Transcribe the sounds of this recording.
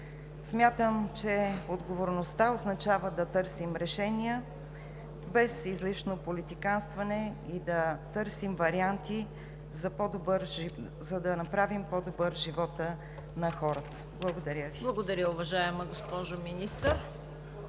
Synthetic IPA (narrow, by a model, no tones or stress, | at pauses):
smʲat̪əmt͡ʃɛod̪ɡovoɾnost̪aoznɐt͡ʃavəd̪ɐt̪ɤɾsimɾɛʃɛniə | bɛsizliʃnopolit̪ikanst̪vɐnɛid̪ɐt̪ɤɾsimvɐɾiant̪i | zɐpɔd̪obəɾ | zɐd̪ɐnɐpɾavimpɔd̪obɤɾʒivɔt̪ə | nɐxɔɾət̪ə̥blˠɐɡod̪ɐɾʲjəviblˠɐɡod̪ɐɾʲjəʊvɐʒaɛməɡospɔʒominist̪əɾ